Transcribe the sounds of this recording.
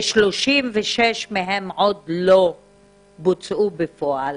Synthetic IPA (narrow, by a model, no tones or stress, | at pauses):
ʃloʃimveʃeʃmeɦemʕod̪lo | but͡sʔubefoʔal